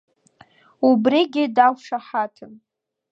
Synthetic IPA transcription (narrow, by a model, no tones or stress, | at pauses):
ubriɡʲɪdakʷʂaħatʰɨm